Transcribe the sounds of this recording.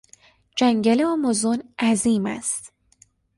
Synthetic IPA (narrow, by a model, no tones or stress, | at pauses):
d͡ʒæŋɟæleɒmozonæziːmæ̰st̪